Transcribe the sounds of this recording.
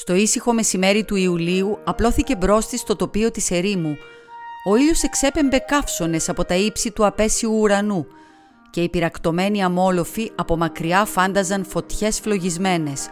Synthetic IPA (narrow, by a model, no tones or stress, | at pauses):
st̪o̞isixo̞me̞sime̞ɾit̪uiuliuɐplo̞θice̞bɾo̞st̪ist̪o̞t̪o̞pio̞t̪ise̞ɾimu | o̞iʎo̞se̞kse̞pe̞mbe̞kɐfso̞ne̞sɐpo̞t̪ɐipsit̪uɐpe̞siuːɾɐnu | ce̞ipiɾɐkt̪o̞me̞niɐmo̞lo̞fiɐpo̞mɐkɾiɐfɐnd̪ɐzɐnfo̞t̪çe̞sflo̞ʝizme̞ne̞s